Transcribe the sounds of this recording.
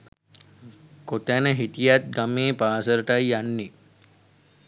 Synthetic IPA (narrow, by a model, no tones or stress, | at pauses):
kot̪ænəɦit̪ijat̪̚ɡameːpaːsəɾəʈajːanːi